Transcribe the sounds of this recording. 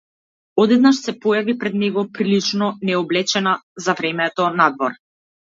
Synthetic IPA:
ɔd̪ɛd̪naʃsɛpɔjavipɾɛd̪nɛɡɔpɾilit͡ʃnɔnɛɔblɛt͡ʃɛnazavɾɛmɛt̪ɔnad̪vɔɾ

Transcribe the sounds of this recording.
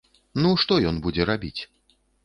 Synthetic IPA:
nuʂt̪ɔjɔnbud͡zʲɛɾabʲit͡sʲ

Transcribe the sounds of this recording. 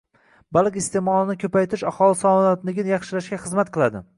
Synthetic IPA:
balˠkʲɪst̪emɒlˠɪnɪkʲʰɵpajt̪ʰɪʃahɒlˠɪsɒnat̪lɪɡʲnjɑχʃɪlaʃɡʲaχɨzmat̪̚qʰɨlˠad̪ɪ

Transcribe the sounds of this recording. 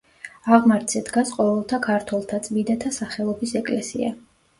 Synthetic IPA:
aʁmaɾt̪sʰɛd̪ɡasqʼɔvɛlˠt̪ʰakʰaɾt̪ʰwɛlˠt̪ʰat̪sʼmid̪at̪ʰasaχɛlˠɔbisɛkʼlɛsḭa̰

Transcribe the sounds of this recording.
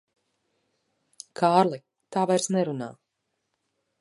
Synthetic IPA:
kʰaːɾlˠi | t̪aːvajɾsnɛɾuna̰ː

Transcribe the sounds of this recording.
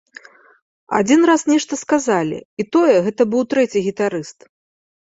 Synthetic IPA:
a̰d͡zʲinɾasnʲɛʂt̪ɐskazalʲḭit̪ɔjɛɣɛt̪ɐbɨwt̪ɾɛt͡sʲiɣʲit̪aɾɨst̪

